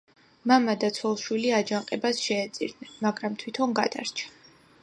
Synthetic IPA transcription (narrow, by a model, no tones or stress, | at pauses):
mamad̪at̪sʰwɛlˠʃwiliad͡ʒaŋqʼɛbasʃɛːt̪sʼḭɾd̪nɛnmaɡɾamt̪ʰwit̪ʰɔnɡad̪a̰ɾt͡ʃʰḁ